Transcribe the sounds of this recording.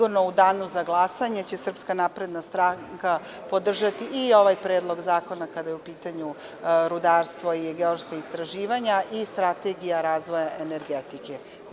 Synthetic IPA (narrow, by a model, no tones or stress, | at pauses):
uɾno̞ud̪aːnuzaɡlˠasaɲe̞t͡ɕe̞sr̩pskanaːpɾe̞d̪nast̪ɾaŋka | po̞d̪r̩ʒat̪iːo̞ʋajpɾeːd̪lˠo̞ɡzaːko̞nakad̪ajeupiːt̪aɲu | ɾud̪aːɾst̪ʋo̞iɡeoɾskaist̪ɾaʒiːʋaɲaʔist̪ɾat̪e̞ɡijaɾaːzʋojaʔe̞neɾɡet̪ike